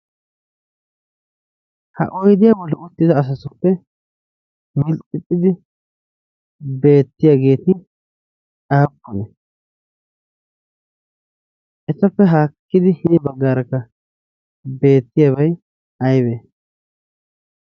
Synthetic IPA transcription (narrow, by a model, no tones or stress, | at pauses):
hɐ̰ʔɔjd̪ɪjaːbɔlːɛʊt̪ːɪzɐːs̬ɐsʊpːɛ | mɪlt̪ʼːɪt̪ʼːɪd̪ɪ | be̞ːt̪ːɪjaːɡe̞ːt̪ɪ | aːpːɔnɛ | ʔɛsɐpːɛɦaːkːɪd̪ɪhiːbɐɡːaːɾɐkːɐ | be̞ːt̪ːɪjaːbɐj | ɐjbeː